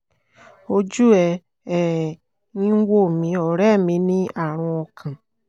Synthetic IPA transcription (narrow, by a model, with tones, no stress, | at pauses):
o˧d͡ʒu˦ɛ˧ | ɛ˨ | nĩ˦wo˦˨mĩ˨˦ɔ˨ɾɛ˦˨mĩ˧˦nĩ˦a˦˨ɾ̃ũ˧ɔ˧kʰã˨